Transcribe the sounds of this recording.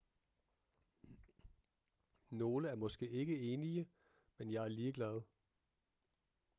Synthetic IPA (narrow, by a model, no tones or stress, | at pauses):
no̝ːləæɐmɒ̽sɡ̥e̝̰ːe̝ɡ̥əe̝ːniə | menjɑ̈ɪæɐliːəɡ̥lɛð̞ˠ